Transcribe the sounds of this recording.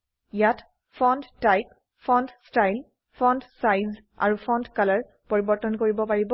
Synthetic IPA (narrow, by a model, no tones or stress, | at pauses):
ijat | fʰɔndtajp | fʰɔndstajl | pʰɔ̃ndsajz | a̰ɹupʰɔndkalaɹ | poɹibɔɹtɔnkoɹibɔpaɹibɔ